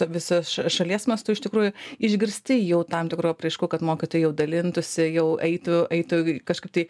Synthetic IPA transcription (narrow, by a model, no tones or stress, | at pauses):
ʋʲɪsosʃɐʃɐlʲiɛsmɐst̪ʊɪʃt̪ʲɪkɾuːjʊɪʒʲɡʲɪɾʲsʲt̪ʲɪjɛʊt̪ɐmt̪ʲɪkɾuːɐpʲɾɐɪʃkuːkɐt̪moːkʲɪt̪oːjjɛʊd̪ɐlʲɪnt̪ʊsʲɪjɛʊɛɪt̪ʊɛɪt̪ʊkɐʃkɐɪp̚t̪ɐɪ